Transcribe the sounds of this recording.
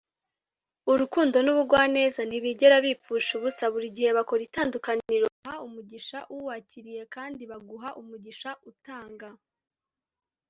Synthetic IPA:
uɾukuːndo̞nuβuɡwaːne̞ːzan̥iβiɟe̞ɾaβip͡fuʃuβusaβuɾiɟihe̞βako̞ɾitaːndukaniɾohaumuɟiʃaʔuwaːciɾije̞kaːndiβaɡuɦaʔumuɟiʃaʔutaːŋɡa

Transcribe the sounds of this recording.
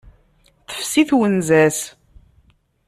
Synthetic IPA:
θə̥fsiθwənzæs

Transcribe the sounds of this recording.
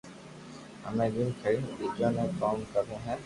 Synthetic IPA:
ɦə̰mẽːd̪ɪlkʰəɾidiːd͡ʒãːnẽːkaːmkəɾẽːɦɛ̃ː

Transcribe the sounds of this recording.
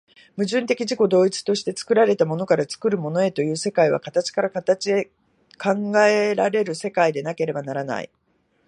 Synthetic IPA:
mɯ̟ʑɨ̃nt̪e̞kʲiʑiko̞d̪o̞ːit͡sɨ̥t̪o̞ɕi̥t̪e̞t͡sɨ̥kɯ̟ɾaɾe̞t̪amo̞no̞kaɾat͡sɨ̥kɯ̟ɾɯ̟mo̞no̞e̞t̪o̞jɯ̟ːse̞kaiβ̞a̰kat̪at͡ɕi̥kaɾakat̪at͡ɕie | kʰãŋɡae̞ɾaɾe̞ɾɯ̟se̞kaid̪e̞nake̞ɾe̞banaɾana̰ḭ

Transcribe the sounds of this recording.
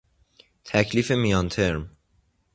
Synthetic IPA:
t̪ʰæcʰliːfe̞mijɒnt̪ʰe̞ɾm

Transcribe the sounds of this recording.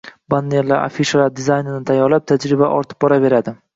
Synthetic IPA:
banːeɾlaɾa̰fiʃalaɾd̪ɪzajnnɪt̪ʰajɒlap̚t̪ʰad͡ʒɾɪbaʔɒ̰ɾt̪ʰɪ̥p̚bɒɾave̞ɾad̪ɪ

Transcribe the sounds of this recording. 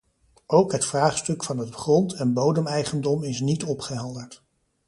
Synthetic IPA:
ʔowkɦətfraːχstɵkfɑnɦətχrɔntʰɛnbowdəmɛjχəndɔmɪsnitɔpχəɦɛlˠdəɹt

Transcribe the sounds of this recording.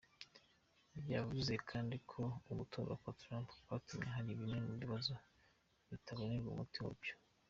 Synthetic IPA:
ibjavuze̞kʰaːndikʰo̞umutʰoβa̰kwatɾampwatumeɦaɾiβimeniβiβazo | βitʰaβoneɾɡṵmutio̰bjo̥

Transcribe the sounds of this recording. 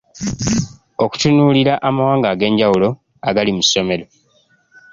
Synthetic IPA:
o̞ku̥tunuːliɾaʔamawaːŋɡaɡe̞ːɲɟawulo̞ | aɡalimuso̞me̞lo̞

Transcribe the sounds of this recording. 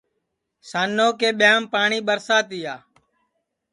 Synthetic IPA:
saːnːoːkeːɓɪjaːmpaːɳiːɓəɾsaːt̪iːaː

